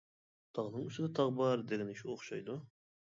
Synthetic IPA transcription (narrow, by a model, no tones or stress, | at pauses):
t̪ʰɑʁnɨɴuʃɪd̪ɑt̪ʰɑʁbɑɾd̪eɡʲɛniʃuoχʃɑjd̪u